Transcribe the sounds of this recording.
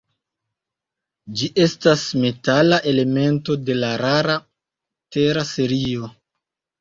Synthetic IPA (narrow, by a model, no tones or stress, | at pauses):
d͡ʒiʔe̞stasme̞talaʔe̞le̞me̞nto̞de̞laɾaɾa | te̞ɾase̞ɾio̞